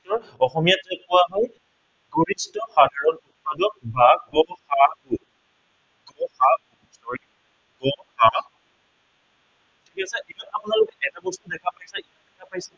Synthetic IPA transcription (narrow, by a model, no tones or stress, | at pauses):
ɔɹ | ɔxɔmijatɛkuaɦɔj | ɡoɹistɔxadʱaɹɔnut̚padɔk̚baɡɔxaku | ɡ̥ɔxau | sɔɹi | ɡɔxa | tʰikasɛʔijatapunalokɛʔɛtabɔstudɛkʰapajsɛimandɛkʰapajsɛ